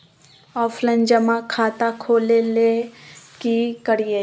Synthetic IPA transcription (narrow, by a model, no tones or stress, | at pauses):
ɔːfʰlɐnd͡ʒəmãkʰaːt̪akʰoːlelekikəɽije